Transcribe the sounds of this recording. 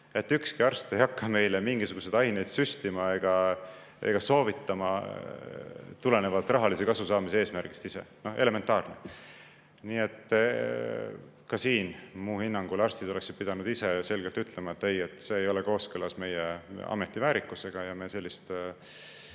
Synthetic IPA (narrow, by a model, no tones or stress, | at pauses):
e̞t̪ːˑykskiɑrst̪ejhɑkːɑme̞jlemiŋɡ̥isuɡ̥us̬e̞d̪ɑjnejd̪̥syst̪imɑe̞ɡ̥ɑ | e̞̰ɡ̥ɑso̞ːvit̪ːɑmɑ | t̪ule̞ne̞vɑlt̪ːˑrɑɦɑlisekɑsusɑːmiseeːsmærɡ̥ist̪ise̞̰no̞hʔe̞le̞ment̪ːˑɑːrnḛ | niːe̞t̪ːˑ | kɑsiːnmuːhinːɑŋɡ̥ulɑrst̪id̪o̞leksid̪̥̚pid̪̥ɑnud̪ise̞jɑse̞lɡ̥elt̪yt̪le̞mɑet̪ːe̞jet̪ːˑse̞ːjo̞leko̞ːskølɑsme̞jeɑ̰me̞t̪ːˑivæːɾikːˑuse̞ɡ̥ɑjɑmese̞lʲːist̪